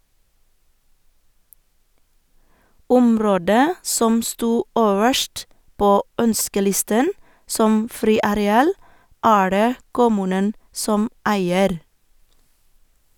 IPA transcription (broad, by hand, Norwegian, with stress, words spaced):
ˈʊmˌɾoːdə ˈsɔm ˈstuː ˈøːʋəʃʈ ˈpoː ˈœnskəˌlɪstən ˈsɔm ˈfɾiːɑɾɛˌɑːl ˈæː ˈɖeː ˈkʊmʉːnən ˈsɔm ˈæɪəɾ